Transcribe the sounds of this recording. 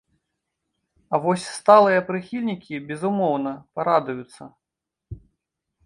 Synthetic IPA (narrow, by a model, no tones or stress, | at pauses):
ɐvɔsʲst̪alˠɨjɐpɾɨxʲilʲnʲikʲibʲɛzumɔwnɐpaɾad̪ujut̪sːɐ